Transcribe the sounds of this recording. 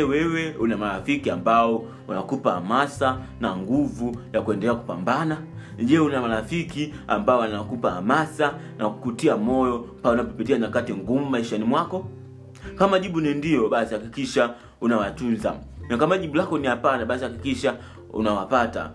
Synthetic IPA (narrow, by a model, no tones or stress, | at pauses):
ɛwɛwɛunamalafikiambaɔ | anaakupaha̰masa | naŋɡuvujakuɛndɛlɛaku̥pa̰mbana | ʄɛunamalafikia̰mbaɔanawkupaha̰masa | naku̥kutiamɔjɔpaunapɔpitianakatiŋɡumumaiʃanimwakɔ | kamaʄiɓunindiɔɓasihakikiʃa | unawatunza̰nakamaʄiɓulakɔnihapanaɓasihakikiʃa | ṵnawapata̰